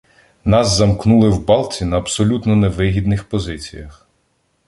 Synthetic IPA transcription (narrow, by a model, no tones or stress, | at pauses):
nɑzzɐmknulˠɪwbɑlˠt͡sʲinɐːbsɔlʲut̪nɔneʋɪɦʲid̪nɪxpɔzɪt͡sʲḭjɐx